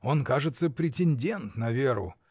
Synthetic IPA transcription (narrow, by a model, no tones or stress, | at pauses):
o̞nkaʐɨt̪səpɾʲɪtʲɪnʲdʲe̞nt̪nɐvʲeɾʊ̰